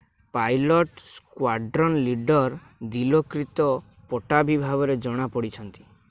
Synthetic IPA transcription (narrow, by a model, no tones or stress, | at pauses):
pajlɔʈskwaɖɾɔnliɖɔɾ | d̪ilɔkɾit̪ɔ | pɔʈabibʱaɡɔɾed͡ʒɔɽ̃apɔɽit͡ʃʰɔnt̪i̥